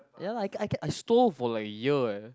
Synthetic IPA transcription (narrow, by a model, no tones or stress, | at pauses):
jalaɪkajkɛ̃ʔajstolfɔlaɪkjə